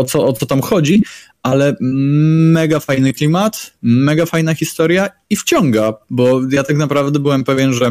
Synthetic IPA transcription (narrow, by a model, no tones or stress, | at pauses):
ɔt̪sɔɔt̪sɔt̪amxɔd͡ʑi | ʔalɛ | mɛɡafajnɘklʲimat̪mɛɡafajnaxʲist̪ɔɾja | ift͡ɕɔŋɡabɔjat̪aknapɾavd̪ɛbɘwɛmpɛvʲjɛnʐɛ